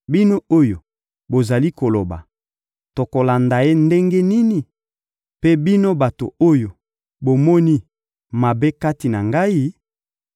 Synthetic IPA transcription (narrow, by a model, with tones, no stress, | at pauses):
bi˦no˦o˦jo˨ | bo˨za˨li˦ko˨lo˨ba̰˨ | to˨ko˨la˨nda˨e˦nde˦ŋɡe˦ni˦ni˨ | pe˦bi˦no˦ba˨to̰˨o˦jo˨ | bo˨mɔ˦ni˦ | ma˨be˦ka˦ti˨na˨ŋɡa˦i˦